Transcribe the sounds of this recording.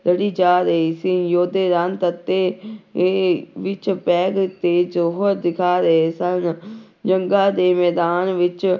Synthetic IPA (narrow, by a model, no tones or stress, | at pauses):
ləɽiːd͡ʒaːɾəɦiːsĩːjoːd̪eːɾant̪ət̪ːeː | ʋɪt͡ʃpɛːɡt̪eːd͡ʒoɦəɾd̪ɪkʰaːɾəeːsən | d͡ʒəŋɡaːd̪eːmɛːd̪aːnʋɪt͡ʃ